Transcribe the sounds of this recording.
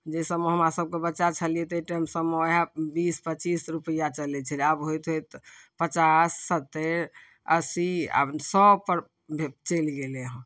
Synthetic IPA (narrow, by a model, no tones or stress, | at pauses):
d͡ʒesəmoɦəmɾasəb̚kebətːt͡ʃat͡ʃʰəlijɛt̪eʈəmsəmoɦãbispət͡ʃisɾupəjat͡ʃəlɛt͡ʃʰəlabɦojt̪ɦojt̪pət͡ʃasːət̪ːeɾ | əsia̰sɔbpəɾ | bʱet͡ʃelɡeleɦə̃